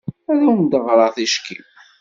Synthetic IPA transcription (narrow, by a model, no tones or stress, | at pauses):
æðæwnd̪əʁɾˤɑθiʃkḭm